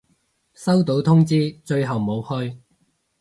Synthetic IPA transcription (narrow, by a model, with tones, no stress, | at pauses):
sɐ˥wt̪o˨˥wt̪ʰʊ˥ŋt͡siː˥t͡ʃɵ˧ɥɦɐ˨wmo˨˧whɵ˧ɥ